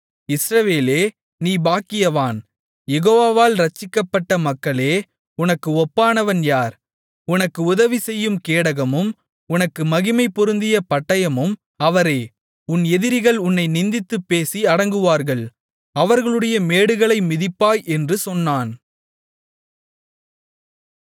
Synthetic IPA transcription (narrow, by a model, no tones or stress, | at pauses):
ɪsɾɐʋeːleː | niːbaːkːɪjɐʋaːn | jɛɣoːʋaːʋaːlɾɐt͡ʃːɪkːɐpːɐʈːɐmɐkːɐɭeː | ʊnɐkːɯɔpːaːnɐʋɐnjaːɾ | ʊnɐkːɯʊðɐʋisɛjːɯmkeːɽɐɣɐmɯm | ʊnɐkːɯmɐɣɪmɐɪpːɔɾɯnd̪ɪjɐpɐʈːɐjɐmɯm | ɐʋɐɾeː | ʊnɛðɪɾɪɣɐɭʊnːɐɪnɪnd̪ɪt̪ːɯpːeːsiɐɽɐŋɡɯʋaːɾɣɐɭ | ɐʋɐɾɣɐɭɯɽɐjɐmeːɽɯɣɐɭɐɪmɪðɪpːaːjɛndrɯsɔnːaːn